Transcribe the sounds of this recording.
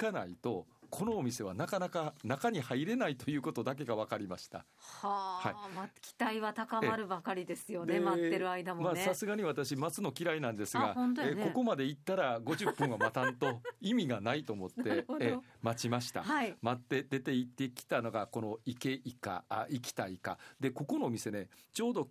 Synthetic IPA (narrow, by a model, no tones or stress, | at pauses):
kana̰it̪o̞kʰo̞no̞ːmʲise̞βanakanakanakaɲ̟ihaiɾe̞nait̪o̞jɯ̟ːko̞t̪o̞d̪ak̬e̞ɡaβakaɾʲimaɕi̥t̪a̰ | hahaimakʲi̥t̪aiβat̪akamaɾɯ̟bakaɾʲid̪e̞sɨjo̞nemat̪ːeɾɯaid̪ammaːsasɨɡaɲ̟iβat̪aɕimat͡sɨno̞kʲiɾainãnd̪e̞sɨɡaõnt̪oeko̞ko̞mad̪e̞it̪ːaɾaɡo̞ʑɨpːɯ̟̃ɰ̃βamat̪ãnt̪o̞imʲiɡanait̪o̞ːmo̞t̪ːe | mat͡ɕimaɕi̥t̪a̰aimat̪ːe̞d̪e̞t̪e̞it̪ːe̞kʲi̥t̪ano̞ɡako̞no̞ike̞ʔika̰ikʲi̥t̪aika̰d̪e̞ko̞ko̞no̞ːmʲise̞ne̞t͡ɕo̞ːd̪o̞